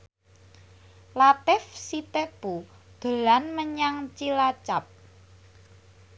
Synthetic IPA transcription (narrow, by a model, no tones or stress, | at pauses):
lat̪ɪfsit̪eb̥ud̪̥ə̤lanməɲaŋt͡ʃilat͡ʃap̚